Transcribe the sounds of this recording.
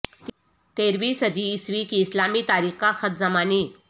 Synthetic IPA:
t̪eɾʋiːsəd̪ʱiːsʋikiːslamiːt̪aɾikaxət̪d͡zəmaniː

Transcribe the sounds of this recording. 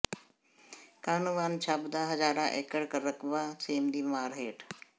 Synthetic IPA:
kaːnuʋaːnt͡ʃʰaːbd̪aːɦəzaːɾãːʔeːkəɽkəɾəkʋaːseːmd̪iːmaːɾɦeːʈ

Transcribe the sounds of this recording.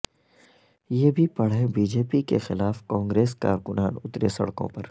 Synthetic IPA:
jeːbʱipɐɽ̤ɦẽbiːd͡ʒeːpikexɪlaːfkãːŋɡɾeːska̰ːɾkʊnaːnʊt̪ɾesɐ̰ɽkõ̰pɐɾ

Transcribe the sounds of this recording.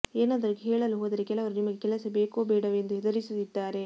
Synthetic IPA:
eːnaːd̪ɐɾukɦeːɭɐluɦoːd̪ɐɾekɛlɐʋɐɾɯnimɐɡːekɛlɐsɐbeːkoːbeːɽɐʋend̪uɛd̪ɐɾisɐt̪id̪ːaːɾe

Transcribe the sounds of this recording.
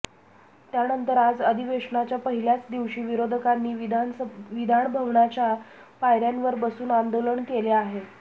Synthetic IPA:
t̪janənt̪əɾad͡zəd̪ʱiʋeʂɳat͡ɕjapəɦiljat͡sd̪iʋɕiːʋiɾod̪ʱəkanːiːʋid̪ʱaɳbʱəʋɳat͡ɕa | pajɾjanʋəɾbəsuːnand̪oləɳkeleaɦe

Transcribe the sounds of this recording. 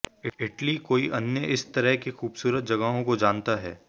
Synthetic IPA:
ɪɪʈlikoːiʔɐnjəʔɪst̪ɐɾəɦkixuːbsuːɾət̪̚d͡ʒɐɡəɦõkod͡ʒaːnt̪aɦɛ̰ː

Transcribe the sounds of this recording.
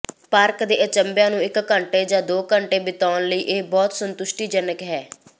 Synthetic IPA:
paːɾkd̪eːʔət͡ʃəmbjãːnũːɪkːəɳʈeːd͡ʒãːd̪oːkəɳʈeːbɪt̪aːnləiːʔeːbɔːt̪sənt̪ʊʃʈiːd͡ʒənəkɦɛː

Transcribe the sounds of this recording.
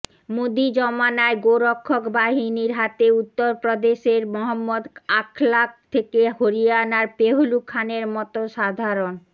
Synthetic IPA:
mod̪id͡ʑɔmanaeɡoɾokʰːokbaɦiniɾɦat̪eut̪ːoɾpɾod̪eʃeɾmɔɦamːod̪akʰlak̚t̪ʰekeɦoɾieanaɾpeɦolukʰːaneɾmɔt̪oʃad̪ʱaɾon

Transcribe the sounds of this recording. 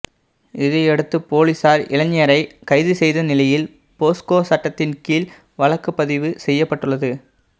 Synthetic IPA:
ɪðɐɛɽɯt̪ːɯpoːlisaːɾʔɪɭɐɲɪjɐɾɐɪkɐɪðɯsɛjðɐnɪlɐjɪl | poːskoːsɐʈːɐt̪ːɪnkiːl | ʋɐɭɐkːɯpːɐðɪʋɯsɛjːɐpːɐʈːɯɭːɐðɯ

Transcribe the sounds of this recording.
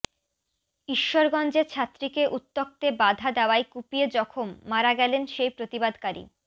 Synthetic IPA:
iʃːoɾɡɔnd͡ʑeɾt͡ɕʰat̪ːɾikeʔut̪ːok̚t̪ebad̪ʱad̪aoajkupied͡ʑɔkʰomːaɾaɡɛlenʃejpɾot̪ibad̪kaɾḭ

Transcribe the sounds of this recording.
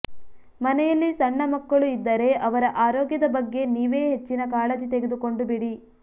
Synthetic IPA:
mɐnɛjɐlːisɐɳːɐmɐkːɐɭuid̪ːɐɾe̞ʔɐʋɐɾɐʔaːɾɔːɡjɐd̪ɐbɐɡːe̞niːʋe̞ːɦet͡ʃːinɐkaːɭɐd͡ʒit̪e̞ɡed̪uko̞ɳɖubiɽi

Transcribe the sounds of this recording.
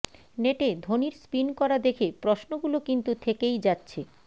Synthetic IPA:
neʈed̪ʱoniɾspinkɔɾad̪ekʰepɾosnoɡulokint̪ut̪ʰekejd͡ʑatːɕʰe

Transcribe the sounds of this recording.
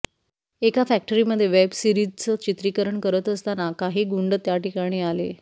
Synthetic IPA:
ekafæk̚ʈəɾiːməd̪ʱːjeʋebsiɾid͡zt͡sət͡ɕit̪ɾikəɾəɳkəɾət̪əst̪anakaɦiːɡuɳɖət̪jaʈikaɽ̃iːalḛ

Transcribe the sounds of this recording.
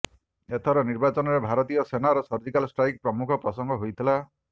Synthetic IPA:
et̪ʰɔɾɔniɾbat͡ʃɔnɔɾebʱaɾɔt̪ijɔsenaɾɔsɔɾd͡ʒikalsʈɾajk̚pɾɔmukʰɔpɾɔsɔŋɡʱɔɦojt̪ʰila

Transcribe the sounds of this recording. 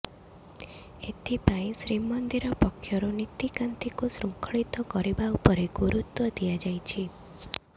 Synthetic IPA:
et̪ʰipaĩsɾimɔnd̪iɾɔpɔkʰːjɔɾonit̪ikant̪ikusɾuŋkʰɔɭit̪ɔkɔɾibaupɔɾeɡuɾut̪wɔd̪iad͡ʒajt͡ʃʰi

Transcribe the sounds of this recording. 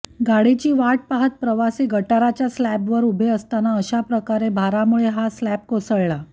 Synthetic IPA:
ɡaɽit͡ɕiːʋaʈ̚paɦət̪̚pɾəʋasiːɡʱəʈaɾat͡ɕjaslæpʋəɾubʱeəst̪anaəɕapɾəkaɾebʱaɾamuɭeɦaslæp̚kosəɭɭa

